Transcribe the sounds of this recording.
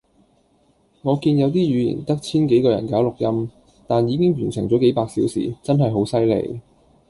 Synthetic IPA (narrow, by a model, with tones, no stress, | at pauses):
ŋɔː˨˧kiː˧njɐ˨˧wt̪iː˥jyː˨˧jḭː˨˩nt̪ɐ˥k̚t͡sʰiː˥nke˨˥jkɔː˧jɐ˨˩nkaː˨˥wlʊ˨k̚jɐ˥m | t̪aː˨njiː˨˧kɪ˥ŋɥyː˨˩nsɪ̰˨˩ŋt͡sɔ˨˥ke˨˥jpaː˧k̚siː˨˥wsḭː˨˩t͡sɐ˥nɦɐ˨jɦo˨˥wsɐ˥jlḛ˨˧j